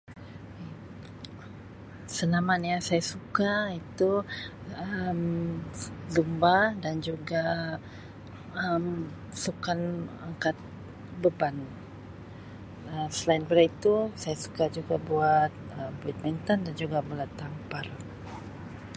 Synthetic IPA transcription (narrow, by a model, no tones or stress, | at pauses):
səlamanjasajasukait̪u | əm | zumbadand͡ʒuɡa | əm | sukanaŋkat̪̚ | bəban | əsəlainbəɾait̪usajasu̥kad͡ʒuɡabuat̪̚əmbuat̪̚mint̪andand͡ʒuɡabulat̪ːampar